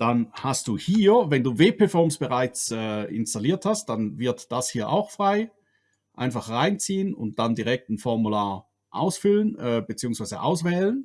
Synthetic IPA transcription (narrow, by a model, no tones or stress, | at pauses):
d̥anhastd̥uːhiːɐvɛnduːveːpʰɛfɔɐmsb̥əʁaɪt͡sɛːɪ̰nstaliːɐthast̚d̥anvɪɐtd̥ashiːɐʔa̰ʊxfʁ̥aɪ | ʔa̰ɪnfaχʁaɪnt͡siːənʊ̰nt̚d̥andiʁɛk̚tn̩fɔɐmulaːɐ | ʔa̰ʊsfʏlənʔɛːbət͡siːʊŋsv̥aɪzə̰ʔa̰ʊsv̥ɛːlən